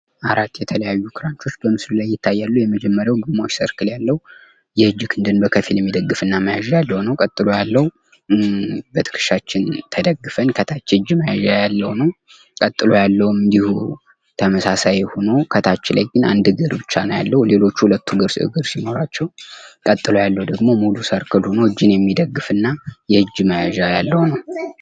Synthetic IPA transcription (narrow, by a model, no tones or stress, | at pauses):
ʔaɾat̪ːjɛt̪ʰələjajːukʰɨɾant͡ʃʰo̞t͡ʃːbəmɨslulajːɪt̪ʰːajːalːujɛməd͡ʒɛmːəɾjawɡɨmːawot͡ʃsəɾkʰɨljalːəhu | jɛɨd͡ʒːɨkʰɨnd̪ɨnbəkʰəfiljɛmːid̪əɡːɨfɨnːaməjaʒjalːəwnəwkʼət̪ʼːɨlo̞jalːəw | bət̪ʰɨ̥kʰɨ̥ʃat͡ʃːɪnt̪ʰəd̪əɡːɨfənkʰət̪ʰat͡ʃːɨd͡ʒməjaʒajalːəwnəw | kʼət̪ʼːɨlo̞jalːəwmɨnd̪ihu | t̪ʰəməsasajho̞no̞kʰət̪ʰat͡ʃːɪlajɡɨna̰nd̪ɨɡɨɾbɨt͡ʃːanəwja̰lːəhle̞lo̞t͡ʃːuhulət̪ːuɡɨɾsɨ̰ɡɨɾsino̞ɾat͡ʃːɛwkʼət̪ʼːɨlo̞jalːəwd̪əɡmo̞mulusəɾkʰɨlho̞noɨd͡ʒːɪnjɛmːid̪əɡːɨfɨnːajɛhɨd͡ʒːɨməjaʒajalːəwnəw